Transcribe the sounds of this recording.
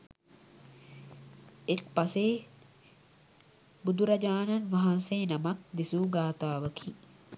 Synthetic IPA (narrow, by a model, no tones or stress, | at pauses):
et̪̚paseː | bud̪uɾɐd͡ʒaːnɐnʋɐɦanseːnɐmɐk̚d̪isuːɡaːt̪aːʋəkʰi